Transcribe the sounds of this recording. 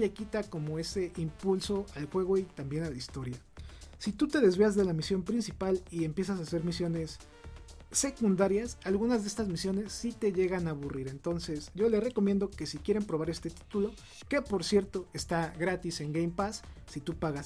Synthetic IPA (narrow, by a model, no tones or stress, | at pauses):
le̞kit̪ako̞mo̞e̞se̞ʔimpulso̞alxwe̞ɣ̞o̞it̪ambje̞nalaist̪o̞ɾja | sit̪ut̪e̞ðe̞zβeazðe̞lamisjo̞mpɾinsipalie̞mpje̞s̬as̬ase̞ɾmisjo̞ne̞sː | e̞kund̪aɾjasalɣunazðeest̪azmisjo̞ne̞sːit̪e̞ʝe̞ɣanaβuriɾe̞nt̪o̞nse̞sɟ͡ʝo̞le̞sreko̞mje̞nd̪o̞ke̞sikje̞ɾe̞mpɾoβaɾe̞st̪e̞t̪i̥t̪ulo̞ | ke̞po̞ɾsje̞ɾt̪o̞e̞st̪aɣɾat̪ise̞ŋɡejmpasːit̪upaɣas